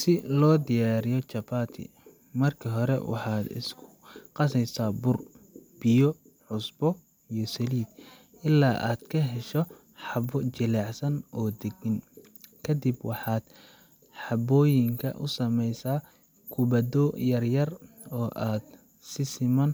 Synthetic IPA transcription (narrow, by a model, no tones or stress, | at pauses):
sɪlɔːd̪ɪjaːɾɪjɔt͡ʃɐbaːt̪ʰɪ̰ | mɐrkʰɐɦɔɾɛ̰wɑ̰ħɑːd̪ɪ̰skʰʊ̥qɑsɛjsaːbʊr | bɪjɔ | ħʊsbɔ | ijɔsɐliːd̪ | ʔɪlːaːʔa̰ːd̪̥kʰɐɦɛʃɔ | ħɑbɔt͡ʃɪlaːʕsɐnʔɔːd̪ɛɡɪn | kʰɐd̪ɪbwɑħɑːd̪ | ħɑbɔːjɪŋkʰɐ̰ʔʊsɐmɛjsaː | kʰʊbɐd̪ɔjɐrjɐr | ɔːʔaːd̪̥ | sɪsɪmɐn